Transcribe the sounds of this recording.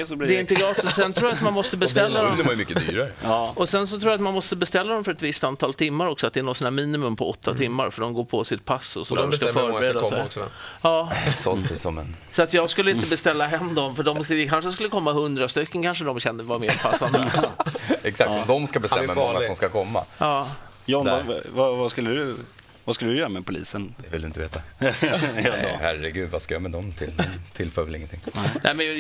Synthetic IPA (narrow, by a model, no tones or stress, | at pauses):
sd̪ɛɪnt̪əɡɾɑːt̪əssɛnt̪ʰɾʰuːjat̪manmɔst̪əbɛst̪ɛlːad̪ɔmajmʏkːəd̪y̰ːɾaɾəɔsɛns̬ɔt̪ʰɾuːjat̪manmɔst̪əbɛst̪ɛlːad̪ɔmfœɾɛt̪vɪst̪ant̪ʰɑːlt̪ʰɪmːaɾɔksɔat̪̚d̪ɛæːnɔt̪sɔnæːɾmiːnɪmɵmpʰɔɔt̪ːat̪ʰɪmːaɾfœəɖɔmɡoːpʰɔsɪt̪̚pʰasɔ̰sɔd̪æ̰dɔskafœːɾbɾed̪asɛsɑːsɔ̰lt̪ʰɪ̰sɔmɛ̰n | sɔat̪jɑːɡskɵlːəɪnəbɛst̪ɛlːaɦɛmːd̪ɔmfœɖɔmsɪkʰanʂəs̬kɵlːəkʰɔmːahɵnd̪ɾast̪ʏkːənkanʂəd̪ɔmɕɛnd̪əvameːɾpʰassːand̪ə | ɛksak̪̚ːɔd̪ɔmskabɛst̪ɛmːaɔasɔmskakʰɔmːa̰ʔɑː | jɔa̰vavaskɵlːədd̪ɵ | vaskɵləd̪ɵjœːɾamɛpʰʊlḭːsənd̪ɛvɪld̪ɵɪnt̪əvḛːt̪a | hæɾɛɡʉ̟ːd̪vaskajɑmɛd̪ɔmt̪ʰɪlɛt̪ʰɪlfœːɾvɛlɪ̰ŋːənt̪ʰɪŋːʔɛ̰mɛn